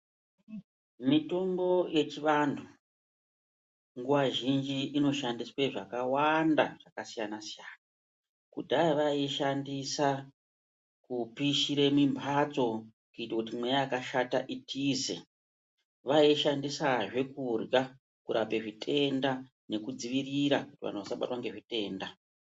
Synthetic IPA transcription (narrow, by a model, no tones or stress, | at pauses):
mito̞mbo̞je̞t͡ʃiʋantʰu | ŋɡuʋaʒind͡ʒiʔːno̞ʃandiswe̞ʐakawanda̰ʐ̥akasijanasijaːna | kudʱaiʋaiʃandisa | kupiʃiɾe̞mimbʱat͡so̞ | kuitwakut̬imwejaːkaʃataʔitʰiːzḛ | ʋaiʃandisaʐe̞kurɡa | kuɾape̞ʐitʰe̞nda | ne̞kud͡ziʋiriɾakutiʋa̰n̤uʋasaɓa̰twaŋɡe̞ʐite̞ːnda